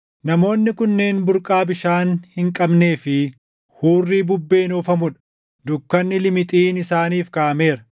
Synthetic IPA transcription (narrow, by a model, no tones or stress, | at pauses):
nɐmo̞ːnːɪkʊnːe̞ːnbʊɾkʼaːbɪʃaːnhɪŋkʼɐbne̞ːfɪ | huːrːiːbʊbːe̞ːnoːfɐmʊᶑɐ | d̪ʊkːɐnːɪlɪmɪt̪ʼiːnɪsaːniːfkɐʔɐme̞ːɾɐ̥